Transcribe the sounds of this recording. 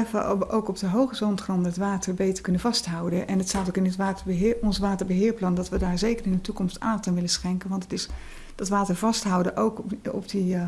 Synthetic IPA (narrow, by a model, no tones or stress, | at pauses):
ɛfə̰owkɔp̚dəɦowχəsɔntχrɔndəɦətʋaːtəɹbejtəɹkɵnəvɑstɦʌwdənʔɛnətstaːtokɪnətʋaːtəɦɔnsʋaːtəɹbəɦɪːɹplɑndɑtʋədaːɹzejkərɪndətukɔmsta̰ːtanʋɪləsχɛŋkənʋɑntətɪs | d̥ɑtʋaːtəɹvɑstɦʌwdəʔowkɔ̰pdi